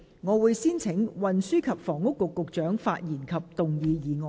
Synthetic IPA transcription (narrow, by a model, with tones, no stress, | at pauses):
ŋɔː˨˧wuː˨˧jsiː˥nt͡sʰɪ˨˥ŋwɐ˨nsyː˥kʰɐ˨p̚fɔː˨˩ŋʊ˥kːʊ˨kːʊ˨k̚t͡ʃœː˨˥ŋfa̰ː˧t̚jiː˨˩nkʰɐ˨p̚t̪ʊ˨ŋjiː˨˧jiː˨˩ŋɔː˨